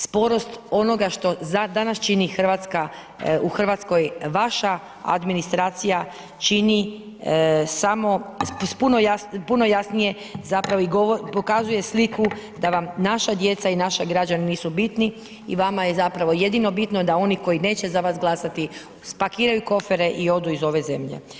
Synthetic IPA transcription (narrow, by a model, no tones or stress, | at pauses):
spo̞ɾo̞st̪o̞no̞ɡaʃt̪o̞zad̪anast͡ʃinixr̩ʋat̪ska | uxrʋat̪sko̞jʋaʃa | a̰d̪minist̪ɾaːt̪sija | t͡ʃini | samo̞spunojapuno̞jasnije̞ | zapɾaʋo̞iɡoopo̞kazuje̞slikud̪aʋamnaʃad̪je̞t̪sainaʃaɡɾad͡ʒaniniːsubit̪ni | ḭʋamajezapɾaʋo̞je̞d̪ino̞bit̪nod̪ao̞niko̞ine̞ːt͡ɕe̞zaʋasɡlˠasat̪i | spakiːɾajuko̞feɾe̞ʔio̞d̪uizo̞ʋe̞ze̞̰mʎḛ